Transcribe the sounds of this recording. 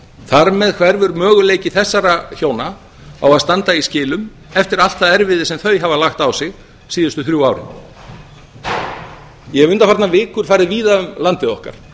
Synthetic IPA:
θaɾmɛðkʰvɛɾvʏɾmœːɣʏleːjcɪθɛsːaɾaçoːwna | a̰waðst̪ant̪aiscɪːlʏm | ɛft̪ɪɾal̥t̪θaðɛɾvɪðɪsɛmθœɥɦavalaxt̪awsɪɣ | siːðʏst̪ʏθɾjuwaːwɾɪ̰n | jɛvʏnt̪afaɾt̪navɪːkʏɾ̥faːɾɪðviːðaʏmlant̪ɪðɔhka̰ɾ̥

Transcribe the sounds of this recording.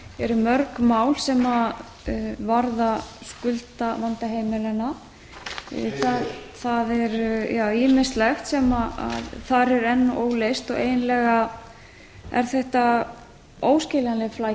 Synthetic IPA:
ɛɾʏmœɾkmaːwlsɛma | vaɾðaskʏlt̪avant̪aɦeːjmɪlana̰ | θaðθaðɛɾjaːwiːmɪst̪lɛxt̪sɛmaa̰ðθaɾɛɾɛnːaʔoːwlejst̪ɔɣeːjnlɛɣa | ɛ̰ɾ̥θɛht̪a | oːwscɪlanlɪfla

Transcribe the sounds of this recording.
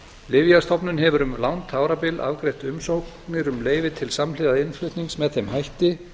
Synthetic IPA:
lɪvjast̪ʰɔpnʏnɦɛvʏɾʏmlawnt̪ʰaːwɾapɪlʔa̰vkɾejht̪ʏmsowk | nɪɾʏmleːjvɪt̪ʰɪlsamlɪðaðɪnflʏht̪niŋsmɛðθejmɦajht̪ɪ

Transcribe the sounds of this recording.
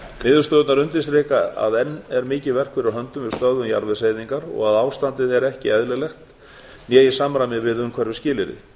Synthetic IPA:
mɪːðʏst̪ɔːðʏt̪naɾʏnt̪ɪsɾeːkaa̰ðɛnːɛɾmɪːcɪvɛr̥kfɪɾaɦœnt̪ʏmvɪðst̪œðʏmja̰ɾvɪseːjðiŋkaɾɔ̰ɣaðaːwst̪ant̪ɪðɛɾɛhcɪɛðlɪlɛxt̪ | njɛːjɪsaːmɾajmɪvɪðʏmkʰvɛɾvɪ̥scɪːlɪɾɪ̰

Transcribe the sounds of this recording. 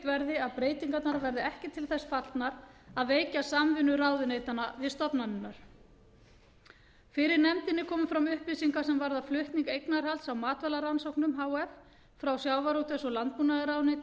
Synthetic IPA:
t̪vɛɾðɪaðpɾeːjt̪iŋkat̪naɾavɛɾðɪɛhcɪt̪ʰɪlθɛsfaɾlt̪naɾaðveːjcasamvɪnːʏɾawðvɪnejt̪anavɪðst̪ɔpnanːɪnːaɾ̥ | fɪɾɪɾnɛmt̪ɪnːɪkʰɔːmʏfɾamʏhpisiŋkasɛmvaɾðaflʏht̪niŋkejknaɾ̥halt̪sawmaːt̪vɛlaɾansowknʏmɦaːwɛf | fɾawsjaːwvaɾowt̪ɛsɔɣlant̪̚punaðɪɾawnɪ

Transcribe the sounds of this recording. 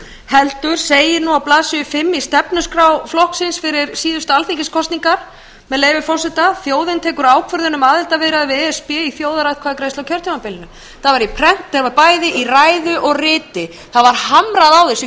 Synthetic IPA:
hɛlt̪ʏɾ̥seːjɪnuawplaːsɪjʏfɪmːist̪ɛpnʏskɾaːwflɔhksɪnsfɪɾɪɾsiːðʏst̪alθiŋcɪskʰɔst̪niŋkaɾ̥ | mɛðleːjvɪfɔrsɛt̪aθjoːwðɪnt̪ʰeːkʏɾaːwkʰvœɾðʏnʏmaːðɪlt̪avɪɾaðvɛspɛiθjoːwðaɾajðkʰvaːðɪkɾejst̪awkcʰœɾ̥t̪ʰimapɪlɪnʏ | θaðvaɾipʰɾɛn̥t̪ːɛɾvaɾpaːjðɪʔiraːjðʏʔɔɣrɪːt̪ɪ | θaðvaɾ̥hamɾaðawðɪs

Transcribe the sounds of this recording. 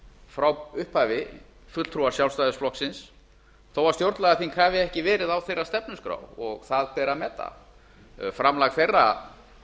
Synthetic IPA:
fɾawʏhphaːvɪ | fʏt̪l̥t̪ʰɾuaɾsjawlst̪ajðʏsflɔhksɪns | θowvaɾst̪jowɾt̪laɣaθinkʰhaːvɪɛhcɪvɛːɾɪðawθejrːast̪ɛpnʏskɾa̰ːwɔɣθaðpɛːɾamɛːt̪ːa̰ | fɾamlaxfejrːa

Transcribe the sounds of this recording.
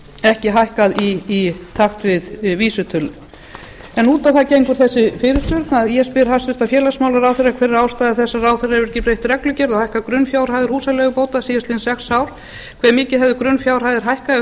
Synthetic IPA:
ɛhcɪɦajhkaðiːt̪ʰaxt̪vɪðviːsʏt̪ʰʏlːʏ | ɛnuːt̪aθacejŋkʏɾ̥θɛsːɪfɪːɾɪɾspʏɾt̪naðiɛspɪɾ̥hast̪ʏst̪afjɛːlasmaːwlaɾawθɪɾːakʰvɛːɾɪɾaːwst̪aːðɪθɛsːaraːwθɪraɛɾvʏɾcɪpɾejht̪rɛklʏcɛɾðɔhajhkaðkɾʏnfjawr̥hajðɪɾ̥huːsalɛɣʏpoːwt̪asiːjasɪnsɛxsawɾ̥ | kʰvɛːɾmɪːcɪðɦɛvðʏkɾʏnfjaːwr̥hajðɪɾ̥ɦajhka

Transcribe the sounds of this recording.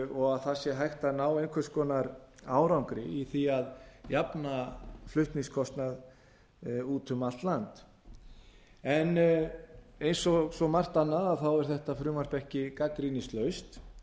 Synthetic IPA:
ɔɣaðθasjɛɦajht̪anaːwejnŋkʰvɛskɔːnaɾaːwɾawŋkɾɪiθiaðjapnaflʏht̪niŋskʰɔst̪nað | uːt̪ʰʏmalt̪lant̪ | ɛn | ejnsɔsɔmar̥t̪anːaðaðθawɛɾ̥θɛht̪afɾʏːmaɾ̥pɛhcɪkakɾinɪst̪lœɥst̪

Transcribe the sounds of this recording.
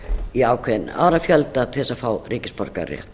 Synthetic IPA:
iaːwkʰvɛðɪna̰ːwɾafjœlt̪aθɛsafaːwriːcɪspɔɾka̰rjɛ̰ht̪

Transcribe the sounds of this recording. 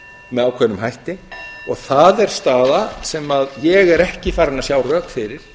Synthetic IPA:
mɛðawkʰvɛnːʏmɦajht̪ɪɔɣθaðɛɾ̥st̪aːðasɛmaðjɛɣɛɾɛhcɪfaːɾɪnasjaːwrœːkfɪɾɪɾ̥

